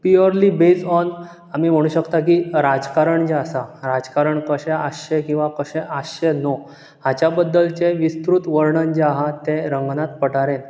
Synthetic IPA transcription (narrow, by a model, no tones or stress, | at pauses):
piəɾlibed͡zɔn | amiːm̤əɽ̃uːɕəkt̪akiɾad͡zkaɾəɳd͡ʑeasaɾad͡zkaɾəɳkəɕẽaɕekĩw̃ʋakəɕẽʔəɕeno | ɦat͡ɕjabəd̪ːəlt͡ɕeʋist̪ɾut̪ʋəɾɳənd͡ʑeaɦat̪eɾəŋɡnat̪pəʈaɾen